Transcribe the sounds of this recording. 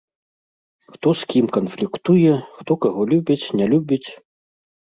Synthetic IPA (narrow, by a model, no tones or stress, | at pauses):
xt̪ɔskʲimkɐnflʲikt̪ujɛxt̪ɔkaɣɔlʲubʲit͡sʲnʲɛlʲubʲit͡sʲ